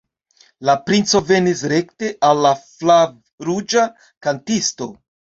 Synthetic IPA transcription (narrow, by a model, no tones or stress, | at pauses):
lapɾint͡so̞ve̞nisɾe̞kte̞ʔalːaflav | ɾud͡ʒa | kantisto̞